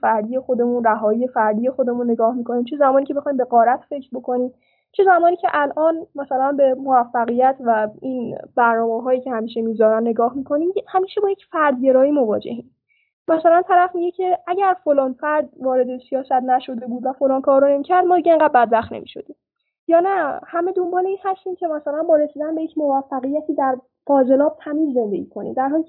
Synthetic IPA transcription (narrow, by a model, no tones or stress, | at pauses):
fæɾd̪ije̞xo̞d̪e̞mũnɾæɦɒːjiːje̞fæɾd̪iːje̞xod̪e̞mũnːe̞ɡɒːhmikʰo̞niːmt͡ʃʰezæmɒːnicʰe̞be̞xɒːjimbe̞ɣɒːɾæt̪ʰfe̞cʰɾbo̞kʰo̞niːm | t͡ʃʰe̞zæmɒːniːcʰeʔælʔɒːnmæsælænbe̞movæfːæɣijæt̪ʰvæinb̥æɾnɒːmeɦɒːjiːcʰehæmiːʃe̞mizɒːɾænːe̞ɡɒːhmiːkʰo̞niːmhæmiːʃebɒːjecfæɾd̪ɟe̞ɾɒːiːmo̞vɒ̰ːd͡ʒe̞̰hiːm | mæsælænt̪ʰæɾæfmiɟecʰe̞æɟæɾfolɒːnfæɾd̪vɒːɾe̞d̪esijɒːsæt̪næʃo̞d̪e̞buːd̪væfo̞lɒːnkʰɒːɾɾonemicʰæɾd̪mɒːd̪iɟeeŋɢæd̪̚bæd̪bæχt̪nḛmiːʃo̞̰d̪̥i | jɒːnæhæme̞d̪o̞mbɒːleiːnhæst̪incʲʰe̞mæsælænbɒːɾe̞siːd̪ænbe̞jecʰmovæfːæɣijæt̪ʰiːd̪æɾ | qɒːze̞lɒːb̥̚t̪ʰæmiːzːe̞nd̪e̞̰ɟikʰo̞nḭd̪æɾɦɒːliːcʰ